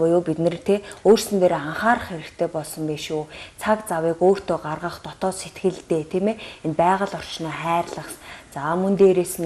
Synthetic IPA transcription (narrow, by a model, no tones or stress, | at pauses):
pʊjʊːpit̪nɘ̆rt̪ʰeːoːrsɘ̆nt̪eːɾeaɴχaːrχeɾɘ̆kt̪ʰeːpɔɮsɞ̆mpeʃut͡sʰakt͡sawiːkoːr̥t̪ʰoːɢarʁə̆χt̪ɔt̪ɔːset̪ɡɘ̆ɮt̪eːt̪ʰiːmeːenpæːʁə̆ɮɔr̥t͡ɕnɔːχæːrɮə̆χst͡saːmɵnt̪eːɾeːsɘ̆n